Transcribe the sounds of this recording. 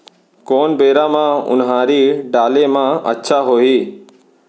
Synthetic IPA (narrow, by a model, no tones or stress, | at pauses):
koːnbeːɾamãʊ̰nɦãːɾiːɖaːlemãə̰tːʃʰaɦoːiː